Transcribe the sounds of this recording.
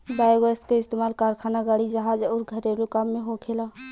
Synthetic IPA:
baːjɡəst̪kaɪst̪eːmaːlkaːɾkʰaːnaɡaːɽid͡ʒəɦaːd͡ʒɔːɾɡʱəɾelokamːẽɦokʰeːla

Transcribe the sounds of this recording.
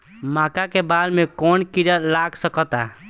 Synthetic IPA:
maːkakebalmekɔːnkiɾəlaɡsəkɔt̪a

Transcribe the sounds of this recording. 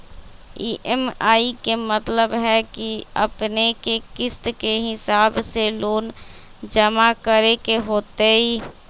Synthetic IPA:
iːʔɛmaːikemɐt̪ləbɦɛkiɐ̰pnekekɪst̪keɦɪsaːbseloːn | d͡ʒɐmakəɾekeɦoːt̪eɦiː

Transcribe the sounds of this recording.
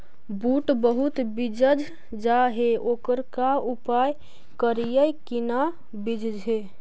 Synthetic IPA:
buʈbəɦut̪bid͡ʒəd͡ʒʱ | d͡ʒaɦeʔokəɾkaupaj | kəɾijəjkina | bid͡ʒʱd͡ʒʱe

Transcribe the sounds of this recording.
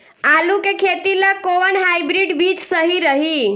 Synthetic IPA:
alukekʰet̪ilakoənɦajbɾiɖbit͡ʃsəɦiɾəɦi

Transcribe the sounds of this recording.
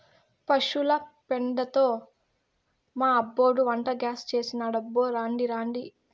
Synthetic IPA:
pɐʂulɐpeɳɖɐt̪oː | maːɐbːoːɽuʋɐɳʈɐɡaːst͡ʃe̞ːsinaːɽɐbːoːɾaːɳɖiɾaːɳɖi

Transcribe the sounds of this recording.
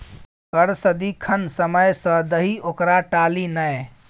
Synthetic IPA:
kəɾsəd̪ikʰənsəməjsə̃d̪əɦiokɾaʈalinəj

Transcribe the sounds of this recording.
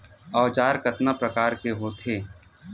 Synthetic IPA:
aːt͡ʃaːɾkɐt̪napɾɐkaːɾkeɦoːt̪ʰeː

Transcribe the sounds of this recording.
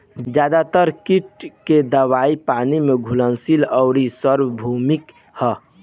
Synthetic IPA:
d͡ʒjaːd̪at̪əɾkiʈked̪əwaːipaːnimeɡʱulənsilɔʊɾisəɾwbʱumɪk | hɛ

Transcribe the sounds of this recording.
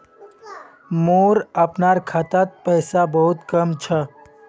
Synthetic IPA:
moːɾəpnaːɾkʰət̪at̪̚pəjsabəɦut̪kəmt͡ʃʰə

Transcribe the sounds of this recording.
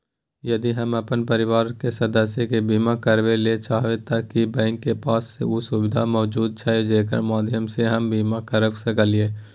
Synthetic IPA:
jɐd̪iɦɐməɐpənpəɾɪʋaːɾkesɐd̪əsjekebiːmakəɾʋelet͡ʃaːɦʋet̪akibɛ̃ːŋkːepaːsːḛusʊbɪd̪ʱamɔːd͡ʒuːd̪̚t͡ʃʰaed͡ʒeːk̬ə̰ɾmaːd̪ʱɪjəmseɦɐmbiːmakəɾəʋsekəlɪeː

